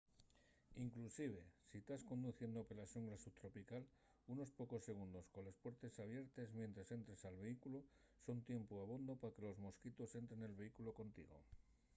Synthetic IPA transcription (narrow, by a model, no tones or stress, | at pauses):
iŋklusiβ̞e̞sit̪asko̞nd̪uθje̞nd̪opelaʃuŋɡlasuβt̪ɾo̞pikal | uno̞spo̞ko̞sːe̞ɣ̞und̪o̞sko̞nlespwe̞ɾt̪e̞saβ̞je̞ɾt̪e̞zmjẽ̞nt̪ɾese̞nt̪ɾesalβe̞ikulo | so̞nt̪je̞mpoaβ̞ond̪o̞pake̞lo̞zmo̞skit̪o̞se̞nt̪ɾe̞ne̞lβe̞ikulo̞ko̞nt̪ḭɣo̞̰